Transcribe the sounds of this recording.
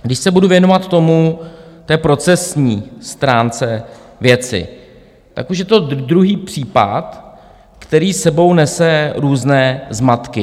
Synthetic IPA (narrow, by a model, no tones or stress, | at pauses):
ɡdɪʃsɛbuduvjɛnovat̪ːo̞mut̪ɛːpɾo̞t͡sɛsɲiːst̪ɾaːnt͡sɛvjɛt͡sɪ̰ | t̪a̰kuʃjɛt̪o̞d̪ɾuɦiːpr̥iːpa̰t̪ | kt̪ɛɾiːsɛbo̞wnɛsɛɾuːznɛːzmat̪kɪ